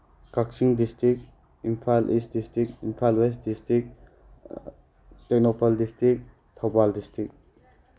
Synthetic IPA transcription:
kak̚siŋdistʰik | impʰalʔisdistik̚inpʰalwestdistɾik̚ | tek̚nopʰaldistɾik̚ | tʰawbaldistɾik̚

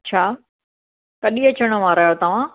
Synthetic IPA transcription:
t͡ɕʰaː | kɐɗiɐt͡ɕəɽ̃ə̆ʋaːɾaːjot̪ɐʋ̤ã

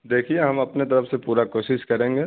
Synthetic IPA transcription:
d̪eːkʰieɦɐmɐpnet̪ɐɾəfsepuːɾakoːʃɪʃkɐɾẽːŋɡeː

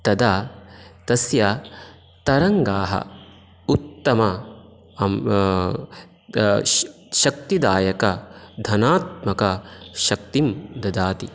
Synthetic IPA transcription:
t̪ɐd̪aːt̪ɐsjɐ | t̪ɐɾɐŋɡaːɦɐ̰ | ut̪ːɐmɐ | ʃɐk̚t̪id̪aːjɐkɐd̪ʱɐnaːt̪̚mɐkɐʃɐk̚t̪imd̪ɐd̪aːt̪i

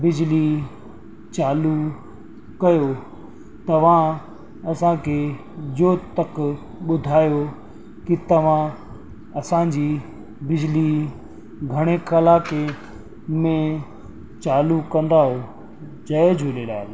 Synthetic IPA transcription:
bɪd͡ʑli | t͡ɕaːlu | kɐjo | t̪ɐʋ̤ã | ɐsãkʰe | d͡ʑoːt̪ɐk | ɓʊd̪ʱaːjo | kit̪ɐʋ̤ã | ɐsãd͡ʑiː | bɪd͡ʑɪli | ɡʱɐɽ̃ekɐlaːke | mẽ | t͡ɕaːlukɐ̃nd̪aːɦo | d͡ʑɐd͡ʑʱolelaːɪ

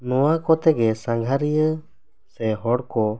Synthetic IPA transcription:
nɔwakɔt̪ɛɡɛsãŋɡʱaɾijə | sɛɦɔɽkɔ

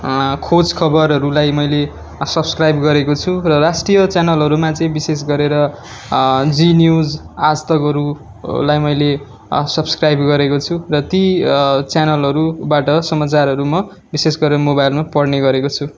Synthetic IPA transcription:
kʰod͡zkʰʌbʌɾɦʌɾulajmʌjle | sʌbskrajbɡʌɾekot͡sʰurʌrasʈrijʌt͡sjanʌlɦʌɾumat͡sʌĩbisesɡʌɾeɾʌ | d͡zinjud͡z | ad͡zt̪ʌkɦʌɾu | lajmʌjle | sʌbskrajbɡʌɾekot͡sʰurʌt̪it͡sanʌlɦʌɾubaʈʌsʌmat͡sarɦʌɾumʌ | bisesɡʌɾeɾʌmobajlmapʌɽneɡʌɾekot͡sʰu

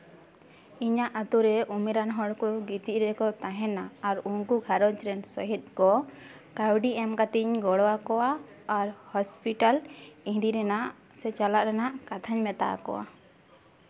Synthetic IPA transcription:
iɲaʔat̪uɾɛʔumiɾanɦɔɽkuɡit̪iʔɾɛkɔt̪aɦɛnaːɾuŋkuɡʱaɾɔt͡ʃɾɛnsɔɦit̪̚kɔ | kawɖiɛmkat̪iɲɡɔɽɔakɔwaː | ɾhɔspiʈalĩɦd̪iɾɛnaʔ | sɛt͡ʃalaʔɾɛnaʔkat̪ʰaɲmɛt̪a̰kɔ̰wa̰

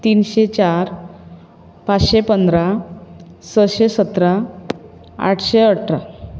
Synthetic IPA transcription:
t̪iːnɕet͡ɕaɾ | pat͡sɕepənd̪ɾa | səɕesət̪ɾa | a̰ʈʰɕeəʈʰɾa

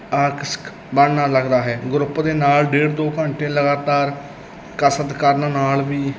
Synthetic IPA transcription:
aːksk | bəɳnaːləɡd̪aːɦɛːɡɾʊpːd̪eːnaːlɖeːɽd̪oːkəɳʈẽːləɡaːt̪aːɾ | kəsət̪kəɾnnaːlʋiː

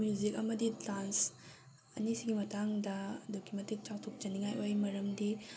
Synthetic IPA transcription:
juzikɐmɐdidans | ɐ̰nisiɡimɐtaŋdɐɐdokʰimɐtik̚t͡ʃaw̚tʰok̚t͡ʃɐniŋajʔojmɐɾɐmdi

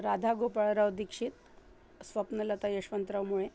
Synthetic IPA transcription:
ɾad̪ʱaɡopəɭɾəʋd̪ikʂit̪̚ | sʋəpnələt̪ajeʂʋənt̪ɾəʋmuɭe

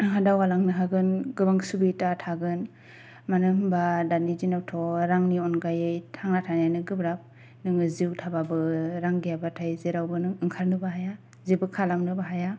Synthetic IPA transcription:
adawalaŋnɯɦaɡɯnɡɯbaŋsubitatʰaɡɯn | manɯɦɯmbadanizinawtʰɔɾaŋniɔnɡajɯjtʰaŋnatʰanajnɯɡɯbɾap̚ | nɯŋɯziwtʰababɯɾaŋɡijabatʰajzeɾawbɯnɯŋɯŋkʰaɾnɯbaɦaja | zibɯkʰalamnɯbaɦaja

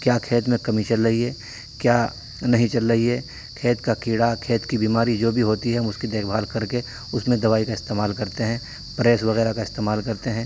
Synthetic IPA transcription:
kjaːkʰeːt̪mẽkɐmiʃənɾɐɦiɛː | kjaː | nɐɦĩt͡ʃɐlːɐɦiɦɛ | kʰeːt̪kakiːɽakʰeːt̪kibiːmaːɾid͡ʒoːbʱiɦoːt̪iɦɛmʊskid̪eːkʰbʱaːlkɐɾke | ʊsmẽd̪ɐʋaːikaɪst̪eːmaːlkɐɾt̪eɦɛ̃ː | pɾeːsʋɐɣɛːɾakaɪst̪eːmaːlkɐɾt̪eɦɛ̃ː

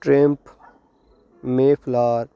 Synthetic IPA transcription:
ʈɾẽmp | mẽːpʰlaːɾ

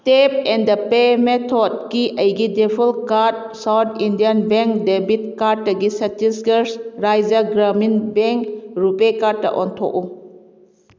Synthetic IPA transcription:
tepɛndɐpemetʰɔd̚kiʔəjɡidepʰulkaɾt̚ | sawt̪ʰindianbeŋk̚debit̚kaɾtːɐɡisɐtisɡəɾsɾajd͡ʒaɡɾaminbɛŋkɾupekaɾtːa̰ʔɔ̰ntʰo̰ku

